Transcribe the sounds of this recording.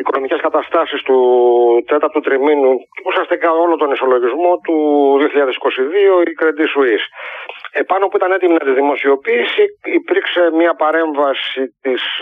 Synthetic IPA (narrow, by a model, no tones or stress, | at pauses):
iko̞no̞mice̞skɐt̪ɐst̪ɐsist̪ut̪e̞t̪ɐɾt̪ut̪ɾiminuusiɐst̪ikɐo̞lot̪o̞niso̞lo̞ʝizmo̞t̪uðioçiʎɐðesi̥ko̞siðio̞ikɾed̪isuisepɐno̞puit̪ɐne̞t̪iminɐt̪izðimo̞sio̞piːsiːpiɾkse̞mɲɐpɐɾe̞ɱvɐsit̪is